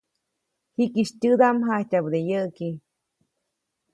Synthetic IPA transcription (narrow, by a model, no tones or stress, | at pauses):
hikiʃtʲɨd̪amɦahtʲabd̪ejəʔki